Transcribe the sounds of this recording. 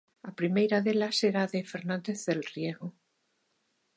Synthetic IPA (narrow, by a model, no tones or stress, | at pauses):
apɾimejɾaðelaseɾaðefeɾnãnd̪eθðelrjeɣo